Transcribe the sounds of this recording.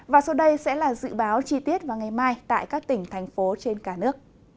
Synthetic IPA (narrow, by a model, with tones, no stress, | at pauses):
vaː˨˩sə˧wɗə˧jsɛ̰˧˥laː˨˩zɨ̰˧˨ɓaː˨˦wt͡ɕi˧t̪i˦˥ət̚vaː˨˩ŋa˨˩jmaː˧jt̪a̰ː˧˨jkaː˦˥k̚t̪ï˧˩ŋ̟t̪ʰɛ˨˩jŋ̟fo˨˦t͡ɕe˧nkaː˧˩nɨ˦˥ək̚